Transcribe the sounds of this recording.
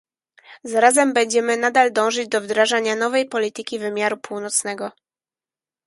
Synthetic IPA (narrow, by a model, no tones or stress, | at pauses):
zaɾazɛmbɛɲd͡ʑɛmɘnad̪ald̪ɔ̃w̃ʐɘd͡ʑd̪ɔvd̪ɾaʐaɲanɔvɛjpɔlʲit̪ɘkʲivɘmʲjaɾupuwnɔt̪snɛɡɔ